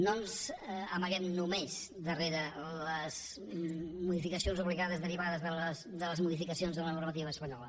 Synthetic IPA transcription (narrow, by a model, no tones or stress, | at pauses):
nonzəməɣɛmnumez | d̪əreɾələz | muðifikəsionzuβliɣaðəzðəɾiβaðəzðələsd̪ələzmuðifikəsionzðələnurmət̪iβəːspəɲɔlə